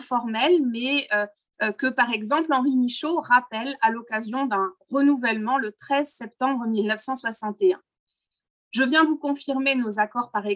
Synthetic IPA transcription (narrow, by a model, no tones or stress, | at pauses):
fɔʁmɛlmɛø | kəpaʁɛɡzɑ̃plɑ̃ʁimiʃoʁapɛlalɔkazjɔ̃d̪ɛ̃ʁənuvɛlmɑ̃lət̪χɛzsɛp̚t̪ɑ̃bʁəmilnəfsɑ̃swasɑ̃t̪eɛ̃ | ʒəvjɛ̃d̪əvukɔ̃fiʁmenozakɔʁpaʁɛ